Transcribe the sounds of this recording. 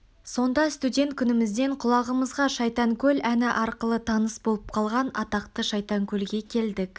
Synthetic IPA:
so̞nd̪ɑst̪udʲe̞nt̪̚kʲʰʏnɪmɪzd̪e̞ɴqʰʊlˠɑʁəməzʁɑʃɑjt̪ɑŋkʲʰɵlænɪʔɑɾqəlˠət̪ʰɑnəsbo̞lˠəp̚qʰɑlˠʁɑnɑ̰t̪ɑqt̪əʃɑjt̪ɑŋkʲʰɵlɡʲe̞kʲʰe̞ld̪ɪk

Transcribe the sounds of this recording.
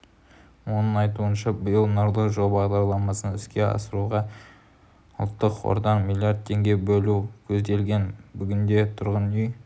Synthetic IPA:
wo̞nəŋɑjt̪uənʃɑbɪjəlˠnʊɾlˠəʒobɑʁd̪ɑɾlˠɑmɑsənʏskʲe̞ɑ̰səɾuʁɑ | ə̰lˠt̪ːəqwo̰ɾd̪ɑqmilʲˠjard̪̚t̪ʰːe̞ŋɡʲe̞bɵlukʲʰɵzd̪e̞lɡʲe̞nbʏɡʲɪnd̪e̞t̪ʰʊɾʁənʏj

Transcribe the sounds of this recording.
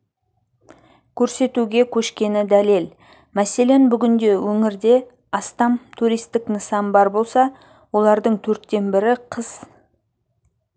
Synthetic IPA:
kʲʰɵɾse̞t̪uɡʲe̞kʲʰɵʃkʲe̞nɪd̪ælel | mæse̞le̞nbʏɡʲʏnd̪e̞wɵŋɪɾd̪e̞ | ɑst̪ɑmt̪ʰuɾijst̪ɪknəsɑmbɑɾbo̞lˠsɑ | wo̞lˠɑɾd̪əɴt̪ʰɵɾt̪ːe̞nbɪɾɪqʰəz̥

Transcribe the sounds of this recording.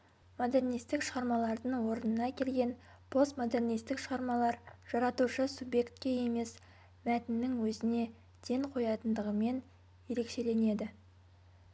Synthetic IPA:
mod̪e̞rnijst̪ɪkʃəʁɑɾmɑlˠɑɾd̪əɴwo̞ɾənənɑkʲʰe̞lɡʲe̞n | pʰo̞st̪mod̪ernijst̪ɪkʃəʁɑɾmɑlˠɑɾʒ̥ɑɾɑt̪uʃəsubje̞kt̪kʲe̞je̞me̞s | mæt̪ɪnːɪŋwɵzɪne̞ | d̪̥e̞ŋqʰo̞jɑt̪ənd̪əʁəme̞n | je̞ɾe̞kʃe̞le̞ne̞d̪ɪ

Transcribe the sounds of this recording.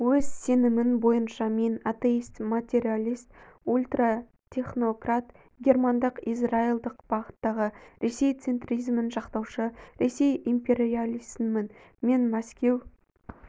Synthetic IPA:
wɵzse̞nɪmɪnbo̞jənʃɑme̞nat̪e̞ist̪mat̪ʲe̞ɾʲialʲijst̪ulʲt̪ra | t̪ʲʰe̞χno̞krat̪ | ɡʲe̞rmand̪əqizrailˠd̪əqb̥ɑʁət̪ːɑʁəɾʔe̞se̞jt̪se̞nt̪rijzmɪnʒɑqt̪ɑwʃəɾe̞se̞jimpʲe̞ɾialʲiz̥mɪn | me̞nmæskʲe̞w

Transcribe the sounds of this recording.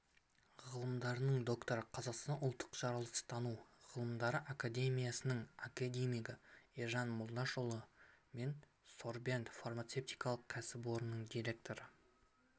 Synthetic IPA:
ʁʁəlˠəmd̪ɑɾənəɴd̪o̞kt̪o̞ɾəqʰɑzɑqst̪ɑnʊlˠt̪ʰːə̥qʒ̥ɑɾɑlˠəqst̪ʰɑnuʁ̥əlˠəmd̪ɑɾəʔakad̪ʲe̞mʲijasənəɴakad̪ʲemʲijɡəeʒɑnmʊlˠd̪ɑʃolˠəme̞n | so̞rbe̞nt̪farmat̪se̞p̚t̪ijkɑlˠəqkʲʰæsɪbo̞ɾənəɴd̪ijɾʲe̞k̚t̪o̞ɾə

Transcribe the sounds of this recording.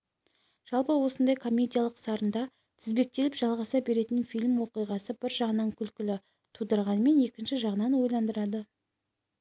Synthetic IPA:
ʒ̥ɑlˠpəwo̞sənd̪ɑjkʰo̞mʲːe̞d̪ʲijalˠəqsɑɾənd̪ɑ | t̪ʰɪzbe̞k̚t̪e̞lɪpʒɑlˠʁɑsɑbe̞ɾe̞t̪ɪnfijlʲmwo̞qijʁɑsəbɪɾʒɑʁnɑɴkʲʰʏlkʲɪlɪ | t̪ʰud̪əɾʁɑnəme̞ne̞kʲɪnʃɪʒɑʁənɑnwo̞jlˠɑnd̪əɾɑd̪ə

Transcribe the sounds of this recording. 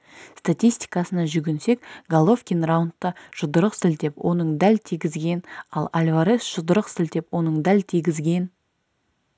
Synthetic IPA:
st̪at̪ʲijst̪i̥jkɑsənɑʒʏɡʲense̞kɡalˠo̞fkʲinrawnt̪ːəʒ̥ʊd̪əɾəqsɪlt̪e̞pwʔo̞nəɴd̪ælt̪ʰijɡʲɪzɡʲe̞nɑlˠalʲvaɾesʒ̥ʊd̪əɾəqsɪlt̪e̞pwo̞nəɴd̪ælt̪ʰijɡʲɪzɡʲe̞n

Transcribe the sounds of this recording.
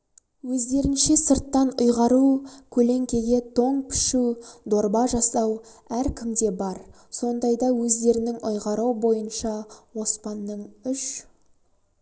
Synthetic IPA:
wɵzd̪e̞ɾɪnʃesəɾt̪ːɑnʊjʁɑɾukʲʰɵle̞ŋkʲe̞ɡ̪ʲe̞t̪ʰo̞ɴpʰɪ̥ʃud̪o̞ɾbɑʒɑsɑw | æɾkʲʰɪmd̪e̞bɑɾ | so̞nd̪ɑjd̪ɑwɵzd̪e̞ɾɪnɪŋʊjʁɑɾuwbo̞jənʃɑwo̞spɑnːəɴʏʃ

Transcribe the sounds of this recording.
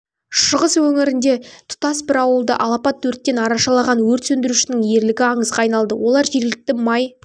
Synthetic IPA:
ʃəʁəswɵŋɪɾɪnd̪e̞t̪ʰʊ̥t̪ɑsbɪɾɑwəlˠd̪ə̰ʔɑlˠɑpɑt̪ʰːɵɾt̪ːe̞nɑɾɑʃɑlˠɑʁɑnwɵɾt̪sɵnd̪ɪɾuʃɪnɪŋje̞ɾlɪɡʲɪɑɴəzʁɑɑjnɑlˠd̪əwo̞lˠɑɾʒe̞ɾlɪk̚t̪ɪmɑj

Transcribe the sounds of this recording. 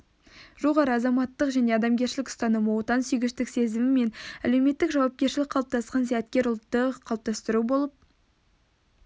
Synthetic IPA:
ʒo̞ʁɑɾəɑzɑmɑt̪ːəqʒæne̞ɑd̪ɑmɡʲe̞ɾʃɪlɪkʊst̪ɑnəmowt̪ɑnsʏjɡʲɪʃt̪ɪkse̞zɪmɪme̞næle̞wme̞t̪ːɪkʒɑwɑp̚kʲe̞ɾʃɪlɪk̚qʰɑlˠəp̚t̪ɑsqɑnsæjæt̪kʲe̞ɾʊlˠt̪ːəqʰːɑlˠp̚t̪ɑst̪əɾubo̞lˠəp̚

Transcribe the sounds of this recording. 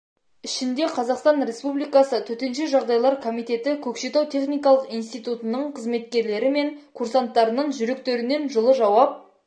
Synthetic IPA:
ɪʃɪnd̪e̞qʰɑzɑqst̪ɑnɾe̞spublijkɑsət̪ʰɵt̪e̞nʃe̞ʒɑʁd̪ɑjlˠɑɾkʰomijt̪e̞t̪ɪkʲʰɵkʃet̪ɑwt̪ʰe̞χnijkɑlˠəqijnst̪ijt̪ut̪ənəɴqʰəzme̞t̪kʲe̞ɾle̞ɾɪme̞ŋkʰuɾsant̪ːɑɾənəɴʒʏɾe̞k̚t̪e̞ɾɪne̞nʒəlˠəʒɑwɑp̚

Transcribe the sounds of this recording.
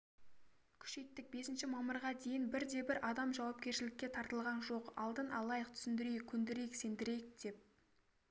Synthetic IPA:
kʲʰʏ̥ʃe̞jt̪ːɪk̚be̞sɪnʃɪmɑməɾʁɑd̪e̞jɪnbɪɾd̪e̞bɪɾʔɑd̪ɑmʒɑwɑp̚kʲe̞ɾʃɪlɪkʲːe̞t̪ʰɑɾt̪əlˠʁɑnʒo̞qɑ̰lˠd̪ənɑlˠɑjəq̚t̪ʰʏ̥sɪnd̪ɪɾejkʲʰʏnd̪ɪɾe̞jɪkse̞nd̪ɪɾe̞jɪk̚d̪̥e̞p̚

